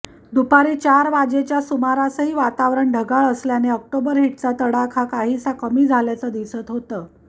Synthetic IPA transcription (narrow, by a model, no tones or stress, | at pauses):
d̪upaɾiːt͡ɕaɾʋad͡ʑet͡ɕjasumaɾasəɦiːʋat̪aʋɾəɳɖʱəɡaɭəsljaneək̚ʈobəɾɦiʈ̚t͡sat̪əɽakʰakaɦiːsakəmiːd͡zʱaljat͡səd̪isət̪ɦot̪əː